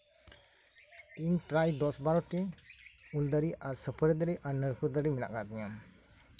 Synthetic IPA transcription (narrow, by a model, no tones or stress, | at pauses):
inpɾajd̪ɔsbaɾɔʈi | uld̪əɾiʔaɾsəpʰəɾd̪əɾiʔaɾnəɾkʰud̪əɾimina̰ʔɡad̪ɛɲam